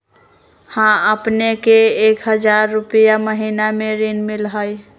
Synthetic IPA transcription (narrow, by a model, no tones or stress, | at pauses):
hãəpnekeːkɦəd͡ʒaɾːupijaməɦinameɾinmilɦəj